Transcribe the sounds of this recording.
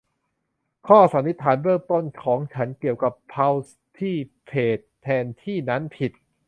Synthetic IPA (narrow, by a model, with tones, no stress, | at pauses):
kʰɔː˥˩sa˩˦nːi˦˥t̪ʰːaː˩˦nbɯ˥˩ŋt̪o˥˩nkʰɔː˩˦ŋt͡ɕʰa˦˥nki˨˩əwka˨˩pʰːa˧w | t̪ʰiː˥˩pʰeː˨˩t̪ʰːɛː˧nt̪ʰiː˥˩na˦˥npʰi˨˩t̪̚